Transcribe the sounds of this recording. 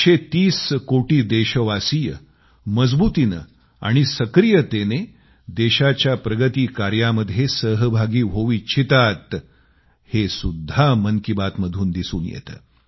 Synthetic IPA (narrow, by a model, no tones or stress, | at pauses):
ɕet̪iːskoʈiːd̪eɕəʋasiːjə | məd͡zbut̪inə̰ | a̰ɽ̃isəkɾijət̪ene | d̪eɕat͡ɕjapɾəɡət̪iːkaɾjaməd̪ʱjesəɦəbʱaɡiːɦoʋiːt͡ɕʰit̪at̪ | hesud̪ʱːaməŋkibat̪məd̪ʱuːnd̪isṵːnjḛt̪ə̰ː